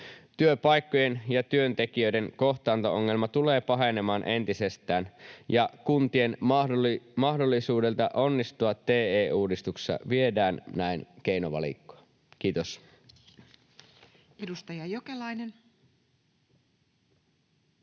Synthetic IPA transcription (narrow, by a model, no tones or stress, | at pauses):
t̪yøpɑjkːoje̞njɑt̪yønt̪e̞kiø̞jde̞ŋko̞ht̪ɑːnt̪oʔoŋːe̞lmɑt̪ule̞ːpɑɦe̞ne̞mɑːnʔe̞nt̪isest̪æːnjɑkunt̪ie̞n | mɑhdo̞lːisuːde̞lt̪ɑʔo̞nːist̪uɑt̪ːe̞ːeːuːdist̪uksɑ̰ʋie̞dæːnnæink̟e̞jnoʋɑ̰lḭkːo̥ɑ | kiːt̪os | edust̪ɑjɑjokelɑjnen